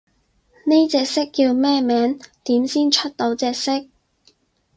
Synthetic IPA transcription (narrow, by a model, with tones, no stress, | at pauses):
ne˥jt͡sɛː˧k̚sɪ˥kːi˧wmɛː˥mɛː˨˥ŋt̪iː˨˥msiː˥nt͡ʃʰɵ˥t̚t̪o˨˥wt͡sɛː˧k̚sɪ˥k̚